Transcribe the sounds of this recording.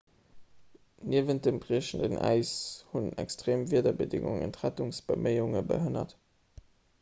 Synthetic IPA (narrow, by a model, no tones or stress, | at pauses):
nʔiəvənt̚dəmbʁiəʃəndənʔæ̰ɪshunæ̰kstʁeːmviɐdɐbədɪŋṵŋə̰ntʁætʊŋsb̥əməɪuŋəbə̰ɦənɐ̰t